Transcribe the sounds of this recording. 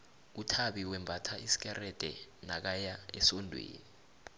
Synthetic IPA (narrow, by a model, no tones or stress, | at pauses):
utʰaɓiwɛmbʱatʰaisi̥k̬ɛrɛd̥ʱɛna̰k̬ajaɛsɔndʱwḛːni